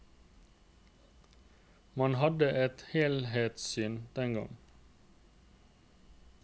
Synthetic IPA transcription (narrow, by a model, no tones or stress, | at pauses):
mɑnhɑd̪əʔɛt̪heːlheːt̪syːnd̪ɛŋɡɑ̰ŋ